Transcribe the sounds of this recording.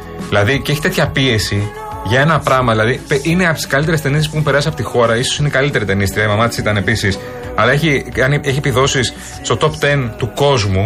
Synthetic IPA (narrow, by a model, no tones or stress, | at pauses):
ðilɐðiceeçi̥t̪e̞t̪çɐpie̞si | ʝɐe̞nɐpɾɐɣmɐðilɐðipeʔineɐpt̪i̥skɐlit̪eɾest̪e̞nisespuexumpe̞ɾɐsiɐpo̞t̪ixo̞ɾɐisosineikɐlit̪e̞ɾit̪e̞nist̪ɾiɐimɐmɐt̪i̥sit̪ɐne̞pisis | ɐlɐeçiɐneçiepiðo̞sis | st̪o̞t̪o̞pt̪ent̪uko̞zmu